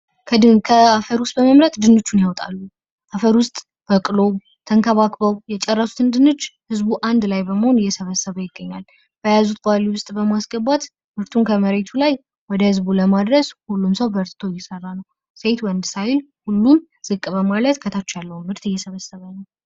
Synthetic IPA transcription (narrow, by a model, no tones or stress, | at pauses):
kʰəd̪ɨkʰəafəɾwʊst̪̚ʼbəməmɾət̪d̪ɨnːot͡ʃːunjawt̪ʼa̰lːu | ʔafəɾwʊst̪ʼ | b̥əkʼɨlo̞ | t̪ʰəŋkʰəβakbəwjɛt͡ʃʼɛrːəsu̥t̪ʰɨnd̪ɨnːɨt͡ʃːhɨzbuʔand̪lajbəməho̞nɪjːɛsəβəsːəβəjɪɡːəɲːal | b̥əjazut̪̚baliwʊst̪ʼbəmasɡəbat̪ | mɨɾt̪ʰunkʰəməɾe̞t̪ʰulaj | wɔd̪əhɨzbuləmad̪ɾəshulːumsəwbəɾt̪t̪ʰojɛsərːanəw | se̞t̪wənd̪sajɪl | hulːum | z̥ɨkʼbəmalət̪kʰət̪ʰat͡ʃːalːəhumːɨɾt̪ɨjːɛsəβəsːəβənəw